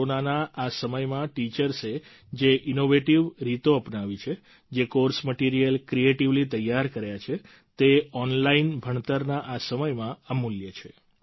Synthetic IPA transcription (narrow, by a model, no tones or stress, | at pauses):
onanaʔasəməjmãʈit͡ʃəɾse | d͡ʒeʔinoʋeʈiʋɾit̪oəpnaʋit͡ʃʰe | d͡ʒekoɾsməʈiɾijəlkɾieʈiʋlit̪əjːaɾkəɾjat͡ʃʰe | t̪eɔnlainbʱəɳt̪əɾnaʔasəməjmãəmuljət͡ʃʰe̥